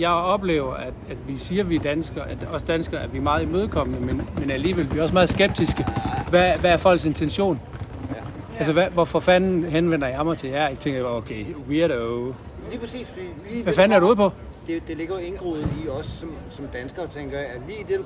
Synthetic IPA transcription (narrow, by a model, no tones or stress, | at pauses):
jɑ̈ɪɒ̽b̥le̝̰ːʊɐʔæd̥æd̥ʋisiːɐʋid̥ænsɡ̥ɐʔæd̥ɒ̽səd̥ænsɡ̥ɐæɐʋimɑ̈ːð̞̩ˠimøːð̞ˠkʰɒ̽mənəmenmenæliːʋelʋiɒ̽smɑ̈ːðˠsɡ̥eb̥̚d̥isɡ̥əʋæʋæːɐfɒ̽l̰ɡ̥se̝nt͡sʰenɕo̝̰ːn | ælsəʋæʋɒfɒfænn̩ɦenʋen̰ɐjɑmɐt͡sʰe̝jæɐeɡ̥t͡sʰeŋɡɐokʰeɪwiɐɾo | liːpʰɐsḭːs | ʋæfænæɐdɾuːð̰ˠpʰɒ̽ | d̥ed̥e̝le̝ɡ̥ɐe̝nɡ̥ʁið̩ˠiɒsːɒ̽m | sɒ̽md̥ænsɡ̥ɐt͡sʰeŋɡ̥ɐæliːd̥edu